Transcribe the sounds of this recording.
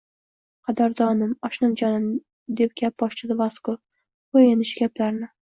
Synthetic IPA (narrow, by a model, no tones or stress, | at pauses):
qʰɑd̪ɒɾd̪ɒnɪmɒʃnɨnd͡ʒɒnɪm | d̪e̞p̚ɡʲap̚bɒʃt͡ʃɪd̪ɪvasko | ojɪnɪʃɡʲaplaɾnɪ